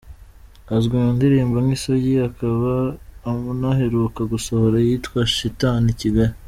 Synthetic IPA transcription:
azɡindiɾiːmbaŋɡisoɟiakaβaːmunaɦe̞ɾukaɡuso̞ho̞ɾajitkwaʃitaniciɡaɾe

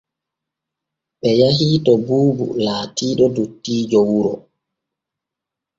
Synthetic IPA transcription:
ɓɛjahiːtɔbuːbṵlaːtiːɗɔdutːiːd͡ʒɔwuɾɔ

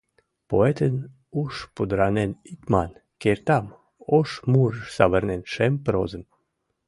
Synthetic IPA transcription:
poet̪ən | uʃpud̪ɾanenit̪mankeɾt̪am | ɔʃmuɾsaʋəɾnɛnʃɛmpɾozəm

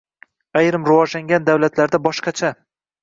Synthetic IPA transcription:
ajɾɪmɾʊvɒd͡ʒlaŋɡʲand̪awlat̪ʰlaɾd̪abɒʃqɑt͡ʃʰa

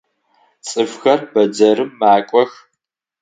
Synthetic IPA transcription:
t͡sʼɨfxɐrbɐd͡ʒɐɾɨmːaːkʷʼɔx

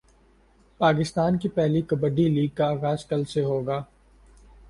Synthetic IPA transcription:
paːk̬ɪst̪aːnkipɛɦlikɐbəɖiliːɡ̚kaːɣaːzkɐlseɦoːɡaː

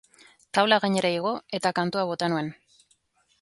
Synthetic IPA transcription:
t̪aβlaɣaɲe̞ɾaiɣ̞o̞e̞t̪akant̪uaβ̞o̞t̪anue̞n

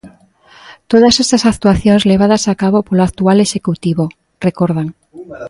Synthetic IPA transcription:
t̪oðasest̪asak̚t̪uaθjõŋzleβ̞að̞asakaβopoloakt̪ualeʃekut̪iβo | rekoɾð̞aŋ

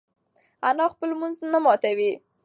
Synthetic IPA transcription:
anɑxpəlmunznamɑt̪awi

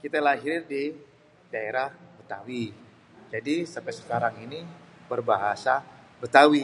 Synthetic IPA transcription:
kit̪alaɦiɾɪndi | daeɾahbət̪awi | d͡ʒadisampɛsə̥kaɾaŋinibərbaɦasabət̪awi

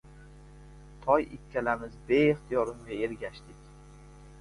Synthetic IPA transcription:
t̪ʰɒjɪkʲʰːalamɪzbeeχt̪ʰijɒɾɪmɡʲaeɾɡʲaʃt̪ɪkʲ

